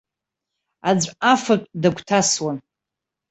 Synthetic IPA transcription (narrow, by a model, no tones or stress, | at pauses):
ad͡zʷʼafakʼdaɡʷʰtʰaswan